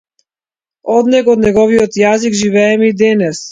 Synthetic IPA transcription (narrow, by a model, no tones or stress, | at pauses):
ɔd̪nɛɡɔd̪nɛɡɔviɔt̪jaziɡʒivɛɛmid̪ɛnɛs